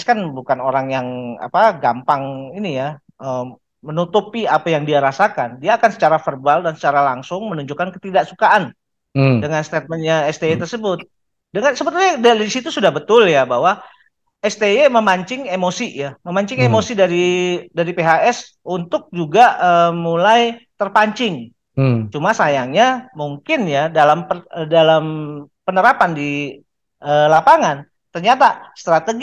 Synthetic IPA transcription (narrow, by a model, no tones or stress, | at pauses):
askanbukanoɾaŋjaŋa̰paɡampaŋinija | əː | mənut̪upiapajaŋdiaɾasakandiaːkansə̥t͡ʃaɾafərbaldansə̥t͡ʃaɾalaŋsʊŋmənuɲd͡ʒukankət̪idaʔsukaʔan | dəŋanst̪ɛt̪̚mənɲaɛst̪eet̪ərsəbʊt̪̚ | dəŋansəbət̪ulɲadaisit̪usudahbət̪ʊljabaɦwa | ɛst̪eeməmaɲt͡ʃɪŋemosijaməmaɲt͡ʃɪŋemosidaɾidaɾipeɦaɛs | unt̪ʊk̚d͡ʒuɡaəmulajt̪ərpaɲt͡ʃɪŋ | t͡ʃumasajaŋɲamuŋkɪnjadalampəədalam | pənəɾapandi | ʔəlapaŋan | t̪ərɲat̪ast̪ɾat̪əɡ